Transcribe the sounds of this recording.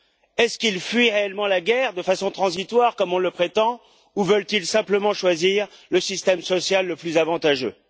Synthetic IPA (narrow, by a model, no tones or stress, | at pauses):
ɛskilfɥiʁeɛlmɑ̃laɡʲɛʁd̪əfasɔ̃t̪χɑ̃zit̪waʁkɔmɔ̃ləpχet̪ɑ̃ | uvœlt̪ilsɛ̃pləmɑ̃ʃwaziʁləsist̪ɛmsɔsjalːəplyzavɑ̃t̪aʒø